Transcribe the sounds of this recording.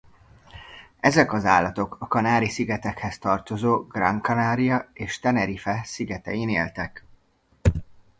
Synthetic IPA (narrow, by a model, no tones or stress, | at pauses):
ɛzɛkɒzaːlːɒt̪o̞kɒkɒnaːɾisiɡɛt̪ɛkhɛst̪ɒrt̪o̞zoːɡrɒŋkɒnaːɾijɒeːʃt̪ɛnɛɾifɛsiɡɛt̪ɛ̰jineːlt̪ɛk